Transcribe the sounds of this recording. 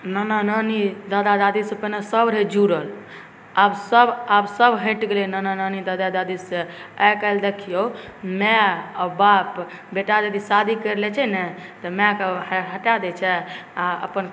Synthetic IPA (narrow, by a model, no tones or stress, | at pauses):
nananənid̪ad̪ad̪ad̪isepənasəbɾed͡ʒuɾəl | absəbabsəbɦẽʈɡelinananənid̪ad̪ad̪ad̪iseajkəld̪ekʰijomɛabap | beʈad̪ed̪isad̪ʱikəɾlɛt͡ʃʰɛnɛt̪ɔmɛ̃keɦəʈad̪ɛt͡ʃʰɛaə̰pən